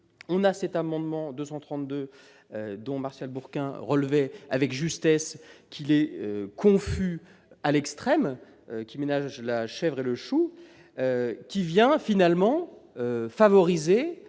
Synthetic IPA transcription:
ɔ̃nasɛt̪amɑ̃d̪mɑ̃d̪øsɑ̃t̪χɑ̃t̪̚d̪ø | d̪ɔ̃maʁʃalbuʁkʲɛ̃ʁəlvɛa̰vɛkʒyst̪ɛskʰʲilɛøkʰɔ̃fy | alɛkst̪χɛm | økʲimenaʒlaʃɛvʁeləʃu | økʲivjɛ̃finalmɑ̃øfavɔʁize

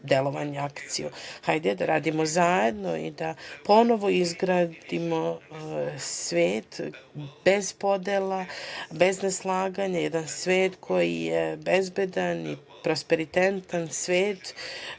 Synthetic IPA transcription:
d̪elˠo̞ʋa̰ɲeakt̪sijuhajd̪ɛd̪aɾaːd̪imo̞zaːjed̪no̞̰ḭd̪apo̞no̞ʋo̞izɡɾaːdd̪imo̞ | sʋeːt̪be̞z̥po̞d̪elˠabe̞zneslˠaːɡaɲajed̪ansʋeːt̪kʰo̞jijebezbed̪ani | pɾospeɾit̪ent̪ansʋeːt̪

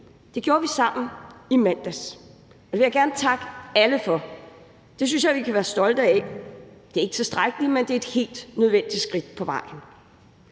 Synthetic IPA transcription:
d̥e̝ɡ̥jo̝ːɐʋisɑ̈m̰n̩imæn̰d̥æs | ɒd̥eʋejaɡ̥æɐnət͡sʰɑ̈ɡ̥əæləfɒ̽ | d̥e̝s̬ynsjɑɪʋikʰæʋæːɐsd̥ɒ̽ld̥əæ | d̥e̝ɐe̝ɡ̥t͡sʰe̝sd̥ʁaɡ̥əlimend̥e̝æe̝d̥he̝̰ːld̥nøð̞ˠʋen̰d̥isɡ̥ʁid̥̚pʰɒ̽ʋɑ̈ɪ̰n̩

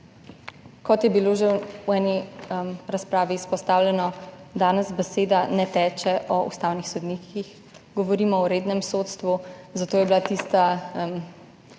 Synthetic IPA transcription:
kɔt̪jɛbiloʒɛwɛːnimɾaspɾaːʋiːspɔst̪aːwlʲjɛnɔd̪aːnɛzbɛseːd̪anɛt̪ɛːt͡ʃɛʔɔṵst̪aːwnixsɔd̪niːkʰix | ɡɔʋɔɾiːmɔɔɾeːd̪nɛmsot̪st̪ʋuzat̪oːjɛbilat̪iːst̪am

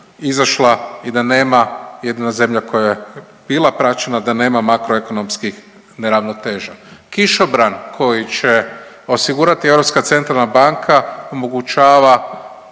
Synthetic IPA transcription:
izaʃlaid̪ane̞ːmaje̞d̪inaze̞mʎako̞jaje | bilˠapɾat͡ʃe̞nad̪ane̞ːmamakɾoe̞ko̞no̞mskix | ne̞ɾaʋno̞t̪e̞ːʒakiʃobɾankʰo̞jit͡ʃe̞ | o̞siɡuɾat̪ie̞wɾo̞pskat̪se̞nt̪ɾalˠnabaŋkʰao̞mo̞ɡut͡ʃaːʋa

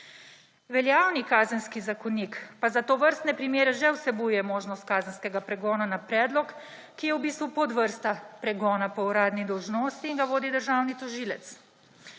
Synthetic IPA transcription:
ʋɛljaːwnikaːzənskizakɔnikpazat̪oːʋəɾst̪nɛpɾimjeːɾɛʒɛwsɛbujɛmoːʒnɔst̪̚kaːzənskɛɡapɾɛɡɔːnanapɾɛːd̪lɔkː | ijɛwbiːst̪ʋupɔd̪ʋəɾst̪apɾɛɡɔːnapɔuɾaːd̪nid̪ɔwʒnoːst̪iːnŋɡaʋoːd̪id̪əɾʒaːwnit̪ɔʒiːlɛt̪s

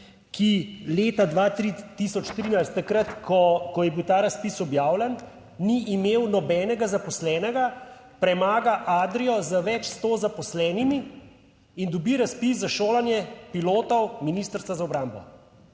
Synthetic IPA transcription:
kileːt̪ad̪ʋaːt̪ɾit̪isɔt͡ʃt̪ɾiːnajst̪ːakɾət̪kʰɔkɔjɛbiwt̪aːɾaspisɔbjaːwlɛn | niʔimeːwnɔbɛːnɛɡazapɔslɛːnɛɡa | pɾɛmaːɡaʔaːd̪ɾijɔzəʋɛt͡ʃst̪oːzapɔslɛːnimiː | nd̪ɔbiɾaspis̬zaʃoːlanjɛpiloːt̪ɔwminist̪əɾst̪azaɔbɾaːmbɔ̰

